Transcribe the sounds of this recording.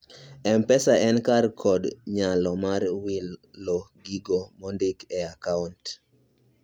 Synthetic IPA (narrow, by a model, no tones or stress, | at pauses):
ɛmpɛsaʔɛnkarkʰɔdɲalɔmarwilːɔɡiɡomɔndɪkɛakaunt